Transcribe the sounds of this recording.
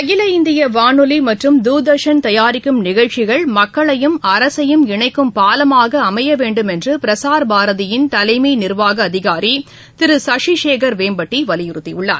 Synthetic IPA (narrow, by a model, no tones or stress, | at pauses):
ɐɣɪlɐɪnd̪ɪjɐʋaːnɯlimɐʈrɯmd̪uːd̪ɐʂɐnt̪ɐjaːɾɪkːɯmnɪɣɐɭt͡ʃɪɣɐɭmɐkːɐɭɐjɯmɐɾɐsɐjɯmɪɳɐɪkːɯmpaːlɐmaːɣɐɐmɐjɐʋeːɳɖɯmɛndrɯpɪɾɐsaːɾbʱaːɾɐðɪjɪnt̪ɐlɐɪminɪɾʋaːɣɐːðɪɣaːɾi | t̪ɪɾɯsɐʂiʂeːkɐɾʋeːmbɐʈːiʋɐlɪjɪɾɯt̪ːiʊɭːa̰ːɾ